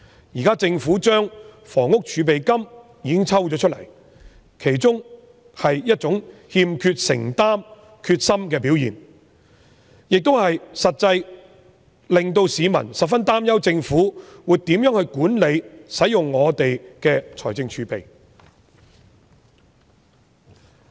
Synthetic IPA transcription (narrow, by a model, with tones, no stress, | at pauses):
jiː˨˩kaː˥t͡sɪ˧ŋfuː˨˥t͡ʃœː˥ŋ | fɔː˨˩ŋʊ˥k̚t͡ʃʰyː˨˧p̬e˨jkɐ˥m | jiː˨˧kɪ˥ŋt͡sʰɐ˥wt͡ʃɔː˨˥t͡ʃʰɵ˥t̚lɐ˨˩j | kʰe˨˩jt͡sʊ˥ŋ | hɐ˨jjɐ˥t̚t͡sʊ˨˥ŋhiː˧mkʰyː˧t̚sɪ̰˨˩ŋt̪aː˥m | kʰyː˧t̚sɐ˥mkɛː˧p̬i˨˥wjḭː˨˩n | jɪ˨k̚t̪o˥whɐ˨jsɐ˨t̚t͡sɐ˧j | lɪ˨ŋt̪o˧wsiː˨˧mɐ̰˨˩nsɐ˨t̚fɐ˥nt̪aː˥mjɐ˥wt͡sɪ˧ŋfuː˨˥wuː˨˧t̪iː˨˥mjœː˨˥ŋhɵ˧ɥkuː˨˥nle˨˧jsɐ˨˥jʊ˨ŋːɔː˨˧t̪e˨jkɛː˧t͡sʰɔː˨˩jt͡sɪ˧ŋt͡ʃʰyː˨˧pe˨j